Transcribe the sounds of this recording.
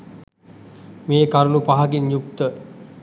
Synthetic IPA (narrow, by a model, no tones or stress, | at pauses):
meːkaɾulupaɦaɡinjuk̚t̪ə